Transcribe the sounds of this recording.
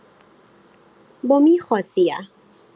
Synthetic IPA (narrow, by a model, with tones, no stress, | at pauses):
bomi˦xɔ˨sia̰˨